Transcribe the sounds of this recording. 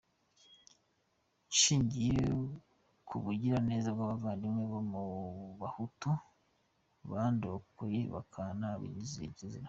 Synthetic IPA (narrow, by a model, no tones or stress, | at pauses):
ʃiːɲɟije | kʰuβuɟiɾane̞ːzabɡaːβavaːndimŋeβomuβahutu | βandokojeβa̰kʰanaβḭɲiziḭɟezia